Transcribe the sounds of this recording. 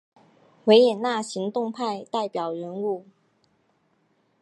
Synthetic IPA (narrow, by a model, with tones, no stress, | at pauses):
we˧˥ɪjɛ˨˩nna˥˩ɕi˧˥ŋt̪ʊ˥˧ŋpʰa˥˧ɪt̪a˥˩ɪpjɑ˨˩ʊɥə˧˥nu˥˩